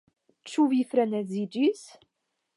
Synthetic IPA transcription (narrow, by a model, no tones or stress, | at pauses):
t͡ʃːuvjifɾænæzid͡ʒis